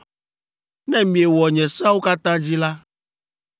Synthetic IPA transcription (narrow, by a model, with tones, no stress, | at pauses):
nɛ̃˦mĩ˨ɛ˨wɔ˨ɲɛ̃˨sa˦wo˦ka˦t̪ã˦d͡ʑi˦la˦